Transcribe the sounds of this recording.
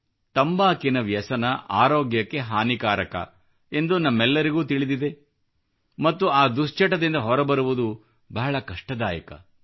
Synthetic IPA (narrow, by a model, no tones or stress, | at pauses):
t̪ɐmbaːkinɐʋjɐsɐnɐʔaːɾoːɡjɐkːe̞ɦaːnikaːɾɐkɐ̰ | e̞nd̪unɐmːɛlːɐɾiɡuːt̪iɭid̪id̪e̞ | mɐt̪ːuaːd̪ust͡ʃɐʈɐd̪ind̪ɐɦɔɾɐbɐɾuʋud̪u | bɐɦɐɭɐkɐʂʈɐd̪aːjɐkɐ̰